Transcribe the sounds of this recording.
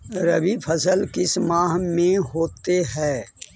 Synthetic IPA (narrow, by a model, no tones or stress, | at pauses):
ɾɐbipʰɐsəlkɪsmãːɦmẽɦoːt̪eɦɛː